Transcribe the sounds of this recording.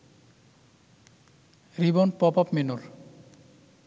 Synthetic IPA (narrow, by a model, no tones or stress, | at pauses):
ɾibɔnpɔpɔpmenuɾ